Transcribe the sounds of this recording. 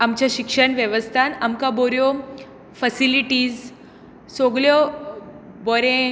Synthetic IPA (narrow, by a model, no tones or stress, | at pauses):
amt͡ɕaɕikʂəɳʋjəʋəst̪ʰanamkaboɾjɔ | fəsiliʈiz | soɡljɔ | bɔɾẽ